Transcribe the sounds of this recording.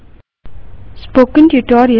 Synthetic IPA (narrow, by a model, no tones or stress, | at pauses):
spokə̃ntuʈɔɾiə